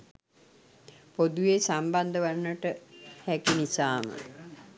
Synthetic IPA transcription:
pod̪uʋesamband̪əʋanːəʈəhɛkinisaːmə̰

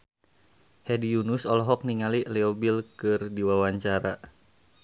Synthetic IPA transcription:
hɛdijunusɔlɔɦɔk̚niŋaliʔlɛɔbilkɨrdiwawaɲt͡ʃaɾa

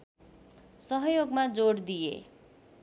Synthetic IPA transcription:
sʌɦʌjoɡmad͡zoɽd̪ijḛ

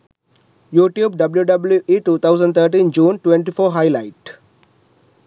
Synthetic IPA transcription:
juːʈjuːbɖɐbljuɖɐbljuʔiːʈuːt̪ʰaʊzə̃ɳɖt̪ʰəːɾʈ̬ĩːnd͡ʒũːnʈwʋẽɳʈifoːɦaɪlaɪʈ

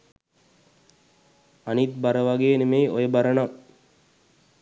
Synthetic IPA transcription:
anit̪̚baɾəʋaɡeːnemejʔojəbaɾəna

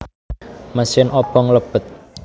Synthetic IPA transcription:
məsɪnʔɔb̥ɔŋləb̥ət̪̚

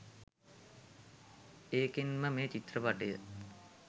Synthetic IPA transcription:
eːkinməmeːt͡ʃit̪rəʋaʈəjə̰

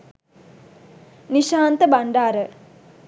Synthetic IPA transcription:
niʃaːnt̪əbaɳɖaːɾə

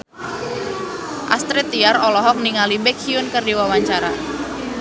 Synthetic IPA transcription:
ʔa̰st̪ɾɪt̪iaɾɔlɔɦɔk̚niŋalibɛkʰiʊnkərdiwawaɲt͡ʃaɾa

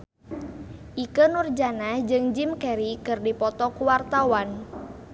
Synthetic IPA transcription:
ʔikənurd͡ʒanahd͡ʒɨŋd͡ʒimkɛɾikɨrdipɔt̪ɔkuwart̪awan

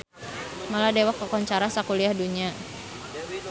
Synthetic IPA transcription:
maladewakːɔkɔɲt͡ʃaɾasakuliahduɲia

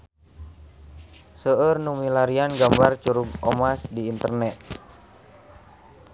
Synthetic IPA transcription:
səərnumilaɾianɡambart͡ʃuɾuɡɔmasdiːnt̪ərnɛt̪̚

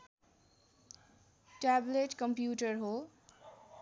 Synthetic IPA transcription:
ʈableʈkʌmpjuʈʌrɦo

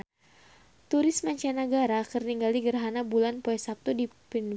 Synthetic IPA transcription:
t̪uɾɪsmaɲt͡ʃɛnaɡaɾakərniŋɡaliɡərɦanabulanpoɛsap̚t̪udipin

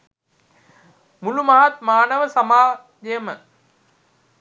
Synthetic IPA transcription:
mulumɐɦɐt̪maːnəʋəsɐmaː | d͡ʒɐjəmə

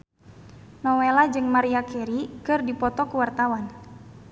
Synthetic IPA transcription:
nɔwelad͡ʒɨŋmaɾiakɛɾikɨrdipɔt̪ɔkuwart̪awan

